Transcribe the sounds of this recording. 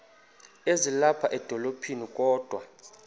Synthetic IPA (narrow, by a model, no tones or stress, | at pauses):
ezilapʰaʔɛd̥ʱɔlopʰinikʼɔːd̥ʱwa